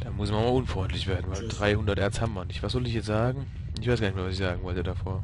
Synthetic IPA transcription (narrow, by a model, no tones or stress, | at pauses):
d̥amʊsmanmaʔʊnfʁ̥ɔʏntʰlɪçv̥eːɐdn̩vaɪldʁaɪhʊndɐtʔɛɐt͡ssthabmmanɪçtvasz̥ɔlɪçjɛt͡sz̥aːɡŋ̩ | ɪçv̥aɪsɡaːnɪçkmaɐvasɪçsz̥aːɡŋ̩vɔltədafoːɐ